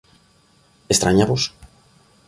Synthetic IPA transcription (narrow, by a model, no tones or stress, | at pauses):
est̪ɾaɲaβos